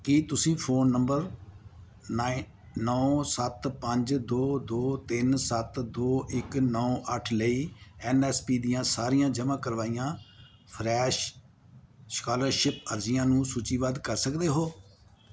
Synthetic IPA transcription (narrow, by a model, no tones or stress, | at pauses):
kit̪ʊsĩːpʰoːnːəmbəɾ | n | nɔːsət̪pəɲd͡ʒd̪oːd̪oːt̪ɪnsət̪d̪oːʔɪknɔːʔəʈʰləiːɛːnɛːspiːd̪ɪjãːsaːɾijãːd͡ʒəmãːkəɾʋaːijãː | pʰɾɛːʃ | sə̥kaːləɾʃɪpəɾzɪjãːnũːsuːt͡ʃiːʋaːd̪kəɾsəkd̪eːɦoː